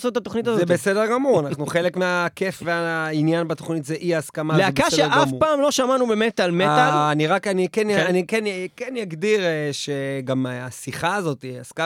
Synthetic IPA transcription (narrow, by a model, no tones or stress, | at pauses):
sot̪at̪oχnit̪azozebesedeʁɡamuʁanaχnuχe̞lekmeakefveainjanbat̪oχnitzeʔiaskamaleaebkaʃeeʔɡamfpaːmlo̞ʃamanubemet̪almealːniʁakanikenjanikenkenjaɡd̪iʁeʃeɡamaasiχaːzo̞tiaska